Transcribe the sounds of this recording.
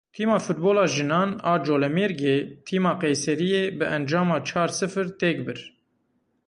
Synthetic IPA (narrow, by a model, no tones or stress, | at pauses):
t̪ʰiːmɑːfut̪̚boːlɑːʒɨnɑːnɑːd͡ʒoːlɛmeːɾɡeːt̪ʰiːmɑːqɛjsɛɾijeːbɨʔɛnd͡ʒɑːmɑːt͡ʃʰɑːɾsɨfɨɾt̪eːk̚bɨɾ